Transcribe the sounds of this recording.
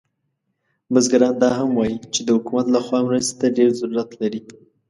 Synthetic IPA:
mazɡaɾɑnd̪ɑɦamwɑjit͡ʃed̪əhʊkumat̪laxwɑmɾəst̪e̥t̪aɖeɾzaɾuɾat̪laɾi

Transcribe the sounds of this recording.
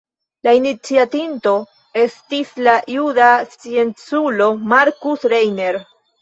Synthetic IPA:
lainit͡siatinto̞ | e̞stislajudasient͡sulo̞maɾkusɾejne̞ɾ

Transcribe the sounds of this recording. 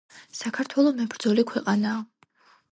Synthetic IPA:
sakʰaɾt̪ʰwɛlˠɔmɛbɾd̪zɔlikʰwɛqʼanaː

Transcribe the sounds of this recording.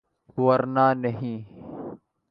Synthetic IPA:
wɐɾnaːnɐɦĩː

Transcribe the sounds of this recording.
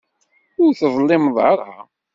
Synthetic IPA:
ʊɾθəðˤlːɪmðˤɑ̰ɾˤha̰

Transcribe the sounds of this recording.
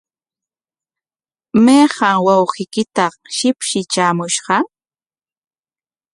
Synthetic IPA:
mejɢɑŋwawɢɪkɪt̪ɑ | ʃɪpʃɪt͡ʃaːmʊʃɢɑ

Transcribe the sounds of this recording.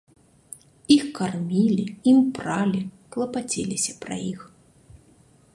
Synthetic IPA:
ixkarmʲilʲiimpralʲiklˠɐpat͡sʲelʲisʲɐpɾa̰jix

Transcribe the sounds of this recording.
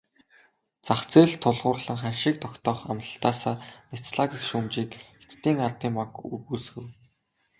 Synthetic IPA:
t͡saχt͡seːɮt̪ʰːʊɮʁʊːrɮə̆ŋχanʃiːk̚t̪ʰɔkt̪ɔːχa̰mt̪ə̆ɬt̪aːsaːnet͡sɮaɣikʃumt͡ɕiːket̪t̪iːŋart̪iːŋmaŋkṵrɣuːsɡɘ̆w

